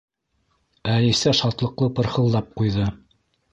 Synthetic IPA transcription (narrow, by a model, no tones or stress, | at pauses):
ælisæʃɑt̪lˠɤ̆qlˠɤpɤ̆ɾhɤ̆lˠːɑp̚qujðɤ